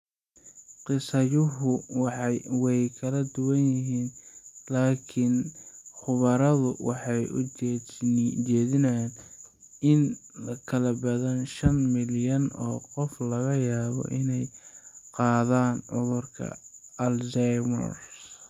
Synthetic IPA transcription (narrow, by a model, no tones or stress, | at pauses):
qɪsɐjʊɦʊwwɛjkʰɐlɐd̪ʊwɐnjɪɦiːnlaːkʰɪnχʊβɐɾɐðʊwɑ̰ħɑjʊ̰ | t͡ʃɛːðɪnɐjan | ɪnkʰɐlɐbɐðɐnʃɐnmɪljɐnɔ̰ːqɔflɐɣɐjaːβɔ̰ʔɪnɛjqɑːðaːnʕʊðʊrkʰɐ̰ɐlzɛjmɔ̰r